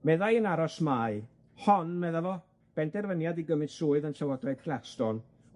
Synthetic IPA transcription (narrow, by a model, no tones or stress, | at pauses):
mɛðajənaɾɔsmaɨ | hɔnmɛðavɔ | b̥ɛndɛrvənjadiɡəmɨnsuːɨðənɬawɔdrajd̥̚kʰlˠastɔn